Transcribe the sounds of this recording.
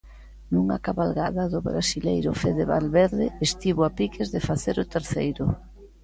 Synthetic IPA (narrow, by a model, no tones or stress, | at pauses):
nuŋa̰kaβalɣaðaðʊβɾasilejɾʊfeðeβalβeɾðɪest̪iβʊapikʰezðefaθeɾʊt̪eɾθejɾʊ